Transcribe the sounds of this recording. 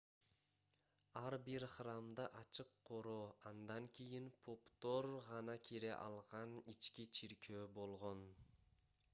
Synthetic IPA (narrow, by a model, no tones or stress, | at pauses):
ɑɾbiɾχrɑmd̪ɑʔɑt͡ʃɯqːʰo̞ɾoːɑnd̪ɑŋkʲʰijinpʰopt̪o̞ɾʁɑnɑkʰʲiɾeʔɑ̰lˠʁɑnit͡ʃkʲit͡ʃʰiɾkʰøːbo̞lˠʁo̞n